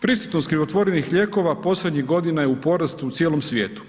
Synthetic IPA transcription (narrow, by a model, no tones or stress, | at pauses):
pɾist̪u̥t̪nost̪kɾiʋo̞t̪ʋo̞ɾenixʎe̞ko̞ʋapo̞slʲed̪ɲiɣɡo̞d̪inajeupo̞ɾast̪uːt̪sjeːlˠo̞msʋʲjḛːt̪u̥